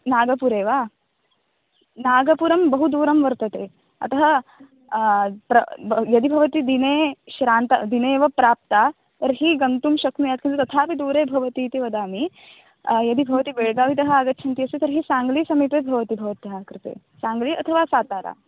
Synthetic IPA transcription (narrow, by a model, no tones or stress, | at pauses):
naːɡɐpuɾeːʋaː | naːɡɐpuːɾɐmbɐɦud̪uːɾɐmʋɐɾt̪ɐt̪eː | ɐ̰t̪ɐɦɐ | pɾɐjɐd̪ibʱɐʋɐt̪id̪ineːʃɾaːnt̪ɐd̪ineːʋɐpɾaːp̚t̪aː | t̪ɐɾɦiɡɐnt̪umʃɐknujaːt̪kʰinut̪ɐt̪ʰaːpid̪uːɾeːbʱɐʋɐt̪iːt̪iʋɐd̪aːmi | jɐd̪ibʱɐʋɐt̪ibeːɭɡaːʋit̪ɐɦɐaːɡɐtːt͡ʃʰɐnt̪ijɐsit̪ɐɾɦisaːŋɡlisɐmit̪eːbʱɐʋɐt̪ibʱɐʋɐt̪ɐɦɐkɾɪt̪ḛː | saːŋɡliɐt̪ʰɐʋaːsaːt̪aːɾa̰ː